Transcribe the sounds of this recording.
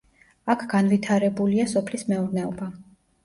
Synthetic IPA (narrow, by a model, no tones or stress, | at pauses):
akʰɡ̥anvit̪ʰaɾɛbuliasɔpʰlismɛuɾnɛɔba